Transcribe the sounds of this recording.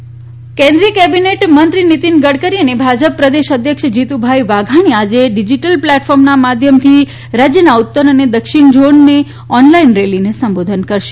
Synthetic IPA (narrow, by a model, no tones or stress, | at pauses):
kẽnd̪ɾijəkɛbineʈmənt̪ɾinit̪inɡəɽkəɾiənebʱad͡ʒəpːɾəd̪eʃəd̪ʱjəkʃəd͡ʒit̪ubʱajʋaɡʱaɽ̃iad͡ʒeɖid͡ʒiʈəlplɛʈfɔɾmnamad̪ʱjəmt̪ʰi | ɾad͡ʒjənaut̪ːəɾəned̪əkʃɪɳd͡ʒoɳːe | ɔnlainɾelinesə̃mbod̪ʱənkəɾʃe̥